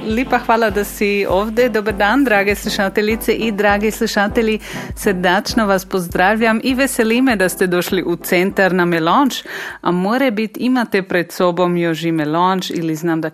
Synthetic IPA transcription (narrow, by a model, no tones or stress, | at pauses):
lipaxʋaːlad̪asioːwd̪ɛd̪obəɾd̪and̪ɾaːɡesluʃat̪eʎit̪sɛʔid̪ɾaːɡisluʃaːt̪eʎisəɾd̪at͡ʃnoʋaspozd̪ɾaːwʎʲamiʋɛsɛlimɛd̪ast̪ɛd̪oːʃliʔut̪sɛnt̪aɾnamɛlont͡ʃa̰moːɾɛbit̪imat̪ɛpɾɛt̪sobomjoʒimɛlont͡ʃḭliznaːmd̪a